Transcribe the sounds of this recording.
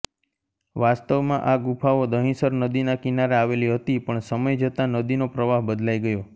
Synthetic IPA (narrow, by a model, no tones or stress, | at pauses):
ʋast̪əʋmãʔaɡupʰaʋod̪əɦĩsəɾnəd̪inakinaɾeaʋeliɦət̪ipəɳsəməjd͡ʒət̪anəd̪inopɾəʋaɦbəd̪lajɡəjo